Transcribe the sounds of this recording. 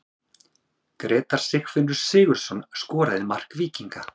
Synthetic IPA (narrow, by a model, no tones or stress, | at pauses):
kɾɛːt̪aɾ̥sɪxfɪnːʏɾ̥sɪːɣʏɾ̥sɔnskɔːɾaðɪmar̥kviːciŋka